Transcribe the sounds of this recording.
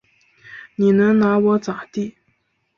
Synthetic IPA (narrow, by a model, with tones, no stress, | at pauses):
ni˨nə˧˥ŋna˧˥wɔ˧˥t͡sa˨t̪i˥˨